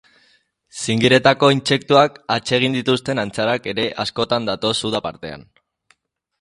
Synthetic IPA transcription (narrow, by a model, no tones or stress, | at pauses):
siŋɡiɾe̞t̪ako̞inse̞k̚t̪uakat͡ʃe̞ɣ̞ind̪it̪ust̪e̞nant͡saɾake̞ɾe̞ʔasko̞t̪and̪at̪o̞suðapa̰ɾt̪e̞a̰n